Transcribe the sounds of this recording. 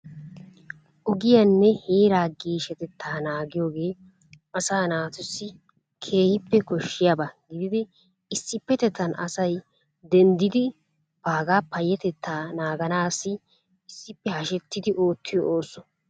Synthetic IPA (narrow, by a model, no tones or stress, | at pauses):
ʔɔɡɪjɐnːɛheːɾaːɡiːʃɛt̪ɛt̪ʰːaːnaːɡɪjo̞ːɡe̞ː | ɐsaːnaːt̪ʊsːɪ | kʰeːhɪpːɛkɔʃːɪjabɐɡɪd̪ɪd̪ɪ | ɪsːɪpːɛt̪ɛt̪ːɐnɐsɐj | d̪ɛnd̪ɪd̪ɪ | b̥aːɡaːpːɐjːɛt̪ɛt̪ʰːaːnaːɡɐnaːsːɪ | ɪsːɪpːɛhɐʃɛt̪ːɪd̪ɪʔo̞ːt̪ʰːɪjɔʔoːsːɔ